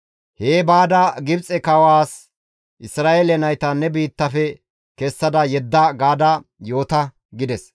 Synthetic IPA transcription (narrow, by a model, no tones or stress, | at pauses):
heːbaːd̪ɐɡɪbt͡sʼɛkɐwaːs | ʔɪsɾaːʔelɛnɐjt̪ɐnːɛbiːt̪ːɐfɛ | kɛsːɐd̪ɐjɛd̪ːɐɡaːd̪ɐjo̞ːt̪ɐ | ɡɪd̪ɛs